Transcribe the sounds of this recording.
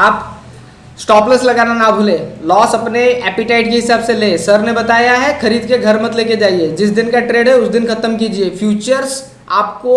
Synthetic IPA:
aːp | sʈɔːpləslɐɡaːnanabʱʊleːlɔːsɐpneɛːpɪʈaːɪʈkeɦɪsaːbseleːsɐɾnebɐt̪aːjaɦɛxɐɾiːd̪keɡʱɐɾmɐt̪leːked͡ʒaːied͡ʒɪsd̪ɪnkaʈɾeːɖɦɛʊsd̪ɪnkʰɐt̪əmk̬iːd͡ʒieːfʰjuːt͡ʃəɾs | a̰ːp̚ko

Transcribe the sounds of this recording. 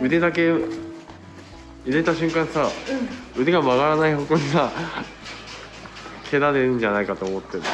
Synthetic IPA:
ɯ̟d̪e̞d̪ake̞ | ɯ̟d̪e̞t̪aɕɨ̃ŋkãɰ̃sa | ɯ̟d̪e̞ɡamaɣaɾanaiɦokoɲisa | kʰe̞d̪ad̪e̞ɯ̃ɲ̟d͡ʑanaikat̪o̞ːmo̞t̪ːeɾɯ

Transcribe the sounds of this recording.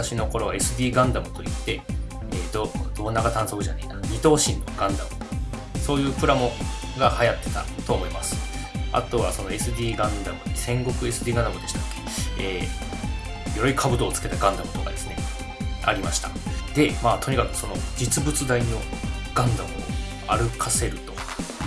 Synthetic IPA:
aɕino̞ko̞ɾo̞βae̞sɨd̪ʲiːɡãnd̪amɯ̟t̪o̞it̪ːe̞ | ed̪od̪o̞ːnaɡat̪ãɰ̃sokɯ̟ʑa̰na̰inaɲʲit̪o̞ːɕĩnːo̞̰ɡãnd̪amɯ̟oso̞ːjɯ̟ːpɯ̟ɾamo̞ | ɡahajat̪ːe̞̥t̪a̰t̪o̞ːmo̞imasɨ̥a̰t̪o̞βaso̞no̞e̞sɨd̪ʲiːɡãnd̪amɯ̟esẽ̞ŋɡo̞kɯ̟e̞sɨd̪ʲiːɡãnd̪amɯ̟d̪e̞ɕi̥t̪ḁ | eː | joɾɯikʰabɯ̟d̪o̞ːt͡sɨ̥ke̞t̪aɡãnd̪amɯ̟t̪o̞kad̪e̞sɨne̞̰ | a̰ɾʲimaɕi̥t̪a̰d̪̥e̞maːt̪ʰo̞ɲ̟ikakɯ̟̥so̞no̞d͡ʑit͡sɨbɯ̟t͡sɨd̪aino̞ɡ̥ãnd̪amɯ̟o̰ | aɾɯ̟kʰase̞ɾɯ̟t̪o̞̥

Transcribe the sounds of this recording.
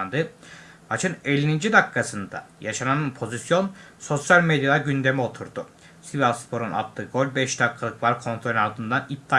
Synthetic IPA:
nd̪ɯmat͡ʃʰɯnelʲinind͡ʒid̪akʰːasɯnd̪a̰jaʃananɯnpʰo̞zisjo̞nso̞sjalʲmed̪jad̪aɟynd̪e̞mio̞t̪ʰuɾd̪u | sivalˠspʰo̞ɾuna̰t̪lˠɯɡo̞lʲbɛʃd̪akʰːalˠɯkvaɾkʰo̞nt̪ɾo̞lʲaɾd̪ɯnd̪anit̚d̪aː

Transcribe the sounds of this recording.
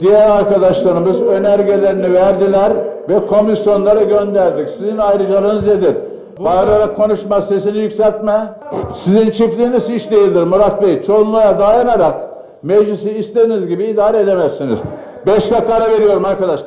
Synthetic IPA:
d̪̥ijæɾaɾkad̪aʃlˠaɾɯmɯzø̞næɾɟe̞lʲe̞ɾinivæɾd̪ilʲæɾvɛkʰo̞misjo̞nlˠaɾaɟønd̪æɾd̪icsizinajɾɯd͡ʒalˠɯnɯzd̪e̞d̪iɾ | ajaɾaɾakʰːo̞nuʃmase̞sinijykcʲsælʲt̪mɛ | sizint͡ʃʰiflʲiːniziʃd̪ʲejilʲd̪iɾmuɾakbejt͡ʃʰo̞unlˠajad̪ajanaɾak | meʒlisiːst̪ʰed̪inizɟibiːd̪aːɾeed̪emæsːinḭz̥ | bɛʃlaklˠaɾave̞ɾijo̞ɾumaɾkad̪aʃˠ

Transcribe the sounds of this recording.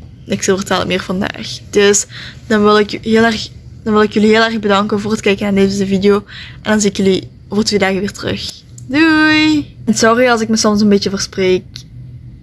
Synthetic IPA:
ɪksəvərtɛlˠə̰mɪːrv̥ɑnda̰ːxd̥ɵsd̥ɑnʋɪlˠɪkɦɪːlˠɛrxd̥ɑnʋɪlˠɪkjəliɦɪːlˠɛrɣbədɑŋkənvoːrɦətkɛjkənaːrdeːvənzəvidijoːʔɛndɑnziɪkjəli | oːvərtʋeːdaːɣəʋɪːrtərɵ̰x | dujnsɔriɑlˠs̬ɪk̚məsɔmsənbeːt͡ʃəvərspreːk̚

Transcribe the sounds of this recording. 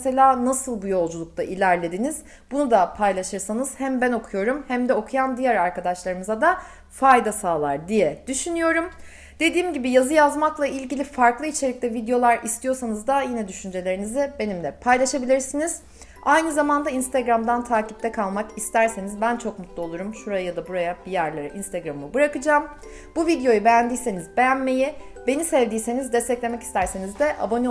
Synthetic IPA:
se̞lʲaːnasɯlˠbujo̞lˠd͡ʒulˠuk̚t̪aʔilʲæɾlʲed̪iniz̥ | bunud̪apʰajlˠaʃɯɾsanɯz̥hæmbæno̞kʰujo̞ɾumhæmd̪ɛo̞kʰujamd̪ijæɾaɾkad̪aʃlˠaɾɯmɯzad̪a | fajd̪asaːlˠaɾd̪ijɛd̪̥yʃynyjo̞ɾum | d̪̥e̞d̪iːmɟibijazɯjazmaklˠailʲɟilʲifaɾklˠɯit͡ʃʰe̞lʲic̚t̪lʲɛvid̪ejo̞lˠaɾʔist̪ʰijo̞ɾsanɯzd̪ajinɛd̪yʃynd͡ʒe̞lʲe̞ɾinizibe̞nimlʲɛpʰajlˠaʃabilʲiɾsiniz̥ | ajnɯzamand̪ainst̪ʰeɡɾamd̪ant̪ʰaːcip̚t̪ɛkʰalˠmakist̪ʰæɾsenizbænt͡ʃʰo̞kmut̪ʰlˠuo̞lˠuɾumʃuɾajjad̪abuɾajabijæɾlʲˠeɾɯʔinst̪eɡɾamɯbɯɾakɯd͡ʒaːm | buvid̪jo̞jubejænd̪iːse̞nizbe̞jænme̞ji | be̞nisɛvd̪iːse̞nizd̪ɛst̪ʰɛclʲe̞mɛci̥st̪ʰæɾse̞nizd̪ɛʔa̰bo̞ni

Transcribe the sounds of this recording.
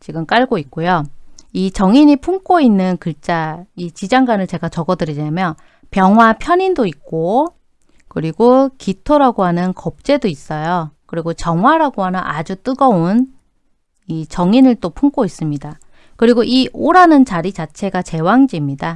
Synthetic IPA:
t͡ɕiɡɯmk͈aɭɡoik̚k͈ojoit͡ɕʌŋiɲipʰuŋk͈oinːɯnkɯɭt͡ɕ͈ait͡ɕid͡ʑaŋɡanɯɭt͡ɕe̞ɡat͡ɕʌɡʌdɯɾiɲamjʌn | pjʌŋɦwapʰjʌɲindoik̚k͈o | kɯɾiɡokitʰoɾaɡoɦanɯnkʌp̚t͡ɕ͈e̞dois͈ʌjokɯɾiɡot͡ɕjʌŋɦwaɾaɡoɦanʌnʔad͡ʑut͈ɯɡʌon | it͡ɕʌŋinɯɭt͈opʰuŋk͈ois͈ɯmɲida | kɯɾiɡoʔiʔoɾanɯnt͡ɕaɾit͡ɕat͡ɕʰe̞ɡat͡ɕe̞waŋd͡ʑimɲida

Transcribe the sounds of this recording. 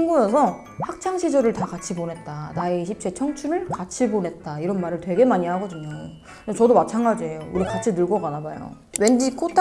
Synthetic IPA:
iŋɡuesʰʌ | ɸak̚t͡ɕʰaŋɕʰid͡ʑʌɾɯɭtakat͡ɕʰiponɦe̞t̚t͈anaeɕʰip̚t͡ɕ͈ʰe̞t͡ɕʰʌŋt͡ɕʰunɯɭkat͡ɕʰibonɦe̞t̚t͈aiɾʌnmaɾɯɭtwe̞ɡe̞maɲiɦaɡʌdɯɲo | et͡ɕʌdomat͡ɕʰanɡad͡ʑiɦe̞jouɾikat͡ɕʰinɯɭɡʌɡanabajo̰ | we̞nd͡ʑikʰotʰ

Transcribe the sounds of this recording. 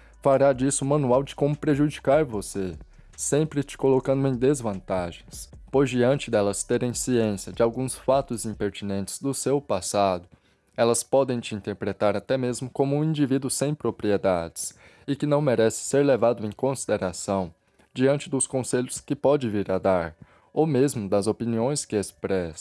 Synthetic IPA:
faɾad͡ʒisʊmɐ̃nuawd͡ʒɪkõmʊpɾeʒud͡ʒikaɾvose | sẽmpɾɪt͡ʃɪ̥kolokɐ̃nd̪ʊẽj̃d̪ezvɐ̃nt̪aʒẽj̃spojzd͡ʒiɐ̃nt͡ʃɪd̪ɛlɐst̪eɾẽj̃siẽsjɐd͡ʒɪawɡũsfat̪ʊzĩpeɾt͡ʃinẽnt͡ʃɪ̥z̥d̪ʊsewpasad̪ʊ | ɛlɐspɔd̪ẽj̃t͡ʃɪĩnt̪eɾpɾet̪aɾat̪ɛmezmʊkõmʊũĩnd͡ʒivid̪ʊsẽj̃pɾopɾied̪ad͡ʒɪs | ɪkɪnɐ̃w̃meɾɛsɪ̥seɾlevad̪ʊẽj̃kõsid̪eɾasɐ̃w̃ | d͡ʒiɐ̃nt͡ʃɪd̪ʊskõseʎʊskɪpɔd͡ʒɪviɾad̪aɾ | owmezmʊd̪ɐzopiniõj̃skɪespɾɛs

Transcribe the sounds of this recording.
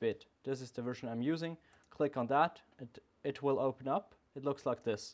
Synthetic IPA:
b̥ɪt̪ðɪs̬ɨzðɨvɜ˞ʒə̃nãɪ̃mjʉzɪ̃ŋ | kʰl̥ɪkn̩ðəɾ | ɪt̚ʰwɪlˠoʊpə̃nʌp | ɨtˡlʊkslaɪk̚ðɪs

